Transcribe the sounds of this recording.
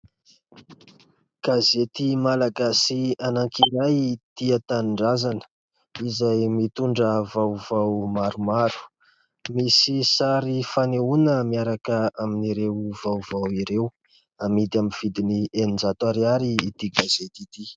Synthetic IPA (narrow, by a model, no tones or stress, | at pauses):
ɡ̥azet̪imalaɡasianaŋkinajt̪iat̪aɳɖ͡ʐazanə̥ | izajmit̪uɳɖ͡ʐəvawvawmaɾumaɾu̥ | misisaɾifaneunəmiaɾakəaminiɾewvawvawiɾew | amid̪iaminv̥id̪inienind͡zat̪uaɾiaɾiːt̪iɡazet̪it̪i